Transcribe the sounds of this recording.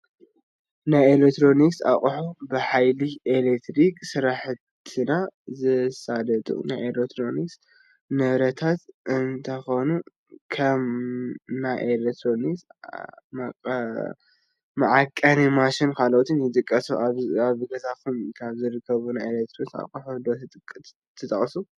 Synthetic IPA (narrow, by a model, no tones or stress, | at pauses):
najelek̚t̪ɾo̞niksa̰χʼħubɨħajlielekt̪ʰɾiksɨɾaħ | t̪ʰɨnazɨsad̪ɐt̪ʼṵna̰jelekt̪ʰɾo̞niks | nɐβɾɐt̪ʰat̪ɨnt̪ʰɐxo̞nu | kʰɐm | najʔelet̪ɾonisma | mɐʕakʼːɐnimaʃɪnkʰalʔot̪ʰinɨt̪ʼɨkʼːɐsuʔaβaβɨɡɐt̪ʰakʰumkʰaβzɨɾɨkʰːɐβunajelekt̪ɾosa̰kʼuħud̪ot̪t̪ʼkʼː | t̪ʰːɨt̪ʼɐχʼsu